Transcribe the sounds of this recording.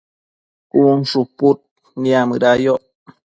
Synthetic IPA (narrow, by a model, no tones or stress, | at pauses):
kunʂuput̪̚ | niamɨɾajoʔ